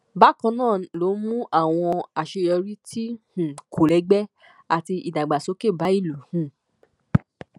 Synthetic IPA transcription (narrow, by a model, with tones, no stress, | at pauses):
ba˨˦kã˧nãː˦˨lo˨˦mũ˦ʔa˦˨w̃ɔ̃˧a˨ʃe˧jɔ˧ɾi˦tʰi˦hũ˨kʰo˨lɛ˨˧˦ɡ͡bɛ˦ | a˨ti˧i˨da˨ɡ͡ba˨so˨˦ke˦˨ba˨˦i˦˨lu˨hũ˦˨